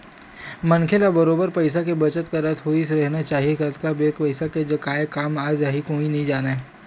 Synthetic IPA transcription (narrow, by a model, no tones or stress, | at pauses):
mɐnkʰelabɐɾoːbəɾpɐɪsakebɐt͡ʃət̪kaɾɐt̪ʰɦoːis̬eɾɛɦnat͡ʃaːɦiekɐt̪kabeːkpɐɪsaked͡ʒɐkaːekaːmaːd͡ʒaɦikoːĩnɐɦĩd͡ʒaːnaɦɛː